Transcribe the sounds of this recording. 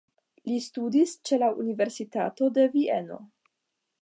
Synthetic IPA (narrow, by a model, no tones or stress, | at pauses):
listudist͡ʃe̞laṵnive̞ɾsita̰to̞de̞vie̞no̞̰